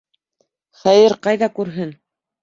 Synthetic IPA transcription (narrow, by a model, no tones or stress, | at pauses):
χæjɘɾqɑjðɑkʉɾɦɘn